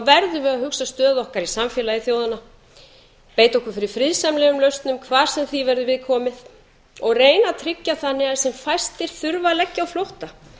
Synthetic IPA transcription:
avɛɾðʏvɪðahʏksast̪œːðɔhkaɾisamfjɛːlaiθjoːwðana | peːjt̪ɔhkʏfɪɾɪ̥fɾiðsɛmlɛɣʏmlœɥst̪nʏmkʰvaːɾ̥sɛmθivɛɾðʏvɪðkʰɔːmɪð | ɔɣreːjnat̪ʰɾɪcːaθanːɪɣasɛmfajst̪ɪɾ̥θʏɾvalɛcːawflowht̪a

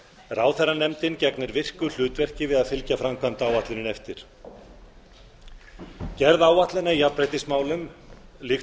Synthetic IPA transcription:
raːwθɛrːanɛmt̪ɪncɛknɪɾvɪr̥kʏl̥ʏːt̪vɛr̥cɪvɪðaðfɪlcafɾamkʰvant̪aːwaht̪lɪnɪnɛft̪ɪɾ̥ | cɛɾðaːwaht̪lɪnːaijapɾajt̪ɪsmaːwlʏmlɪx

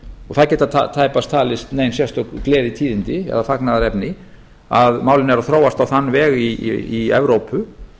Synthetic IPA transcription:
ɔɣθaðcɛːt̪at̪ʰa̰t̪ʰaːjpast̪ʰaːlɪst̪neːjnsjɛst̪ɔɣklɛːðɪt̪ʰiːðɪnt̪ɪɛ̰ðafaknaðaɾɛpnɪ | aðmaːwlɪnɛɾaθɾoːwast̪awθanːvɛːɣḭiɛ̰vɾowpʏ

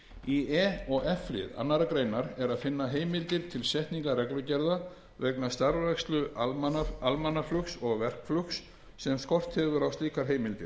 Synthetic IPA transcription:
iɛɔɣɛflɪ̰ða̰nːaɾakɾejnaɾɛɾaðfɪnːaɦeːjmɪlt̪ɪɾ̥t̪ʰɪlsɛht̪niŋkarɛklʏcɛɾða | vɛknast̪aɾvɛkst̪lʏʔamalmanːaflʏksɔɣvɛr̥kflʏksː | ɛmskɔr̥t̪hɛvʏɾawst̪iːkaɾ̥ɦeːjmɪlt̪ɪɾ̥

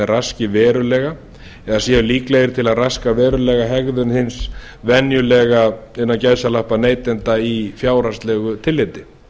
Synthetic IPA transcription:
ɛrascɪvɛːɾʏlɛːɣa | ɛasjɛːʏliːklejɪɾt̪ʰɪlaðraskavɛːɾʏlɛɣaɦɛɣðʏnhɪns | vɛnjʏlɛɣaɪnːacajsalahpaneːjt̪ɛnt̪aifjaːwɾanst̪lɛɣʏt̪ʰɪlːeːt̪ɪ

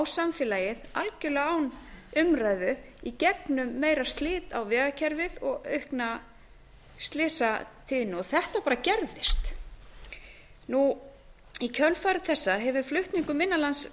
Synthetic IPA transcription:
wsamfɪːlaːjɪðalcʏlɛawnʏmraːjðʏ | icɛpnʏmːeːjɾast̪lɪːt̪awvɛːðacʰɛɾvɪðɔɣœɥhkna | st̪lɪːsat̪ʰɪðɪnːʏɔθɛht̪apaːɾacɛɾðɪst̪ | nu | icʰœlfaːɾʏθɛsːaɦɛvʏflʏht̪niŋkʏmɪnːalans

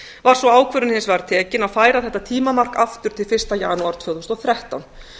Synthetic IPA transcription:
vaɾ̥svɔaːwkʰvœɾʏnhɪnsvaɾt̪ʰɛːcɪnaðfaːjɾaðθɛht̪ːat̪ʰiːmamar̥kaft̪ʏɾ̥t̪ʰɪlfɪrst̪ajaːnuaɾt̪fjœðʏmst̪ɔɣθɾɛht̪awn

